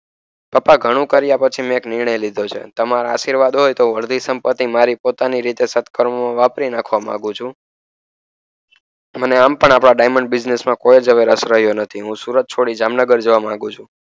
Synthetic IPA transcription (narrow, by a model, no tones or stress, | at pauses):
papaɡʱəɽ̃ũkəɾjapət͡ʃʰimẽeknɪɾɳəjlid̪ʱot͡ʃʰḛt̪əmaɾaaʃiɾʋad̪ɦojt̪oəɾd̪ʱisəmpət̪ːimaɾipot̪aniɾit̪esət̪kəɾmmãʋapɾinakʰʋamã̰ɡũt͡ʃʰũ | məneampəɳapɽaɖajməɳɖbɪd͡ʒnesmãkojed͡ʒəʋeɾəsɾəɦjonət̪ʰiɦũsuɾət̪̚t͡ʃʰoɽid͡ʒamnəɡəɾd͡ʒəʋamãŋɡũt͡ʃʰũ